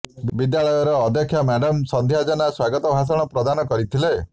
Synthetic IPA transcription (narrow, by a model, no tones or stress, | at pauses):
bid̪jaɭɔjɔɾɔːd̪jɔkʰːjamɛɖɔmsɔnd̪ʱjad͡ʒɔnaswaɡɔt̪ɔbʱas̬ɔɽ̃ɔpɾɔd̪anɔkɔɾit̪ʰile